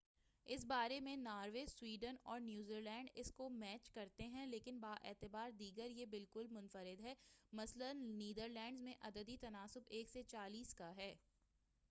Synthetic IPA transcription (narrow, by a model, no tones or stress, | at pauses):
ɪs̬baːɾemẽnaːɾweswiːɖənɔːɾnjuːziːlɛ̃ːɳɖɪskomɛːt͡ʃkɐɾt̪eɦɛ̃leːkɪnbaːʔɛ̰ːt̪ɪbaːɾd̪iːɡəɾjebɪlkʊlmʊnfəɾɪd̪ɦɛːmɐslənːiːd̪əɾlɛ̃ːɳɖzmẽʔɐd̪əd̪it̪ɐnaːsʊbeːkset͡ʃaːliːskaɦɛː